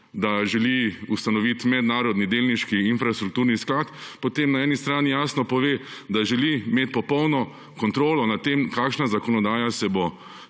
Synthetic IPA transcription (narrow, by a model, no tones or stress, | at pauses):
d̪aʒɛliust̪anɔʋit̪mɛd̪naːɾɔd̪nid̪eːlniʃkiinfɾast̪ɾuk̚t̪uːɾnisklaːt̪pɔt̪emnaɛːnist̪ɾaːnijaːsnɔpɔʋeːd̪aʒɛlimeːt̪̚pɔpɔwnɔ | kɔnt̪ɾoːlɔnat̪ːemkaːkʃnazakɔnɔd̪aːjasɛbo